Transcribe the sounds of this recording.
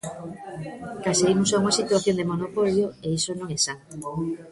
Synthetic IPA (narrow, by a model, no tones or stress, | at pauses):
kasejmusauŋasit̪uaθjond̪emonopoljoeisonõŋɛsant̪o